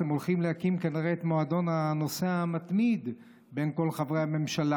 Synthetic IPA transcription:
emolχimlehakimkaniʁeːt̪moad̪o̞nano̞se̞amat̪mid̪ | be̞nko̞lχavʁejame̞mʃala

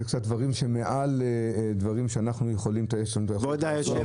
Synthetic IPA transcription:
kt͡sat̪̚d̪vaʁimʃemeʔaled̪vaʁimʃeanaχnujeχo̞limt̪ajeʃoimt̪aodajʃ

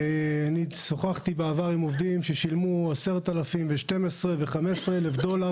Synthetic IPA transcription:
aniso̞χaχt̪ibeavaʁimovd̪imʃeʃilmuase̞ʁt̪alafimveʃte̞mesʁeveχamesʁeelefd̪o̞la

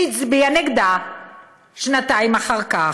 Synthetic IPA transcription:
it͡sbianeɡd̪a | ʃnat̪aimaχaʁka

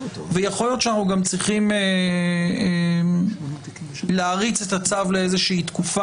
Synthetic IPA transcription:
vejaχo̞ljo̞tʃanaχnuɡamt͡sʁiχime | laːʁit͡se̞t̪at͡savleezeʃiːt̪kufa

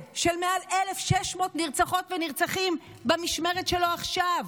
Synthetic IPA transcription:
ʃelmealelefʃeʃmo̞ːt̪niʁt͡saχo̞tveniʁt͡saχim | bamiʃme̞ʁetʃelo̞aχʃav

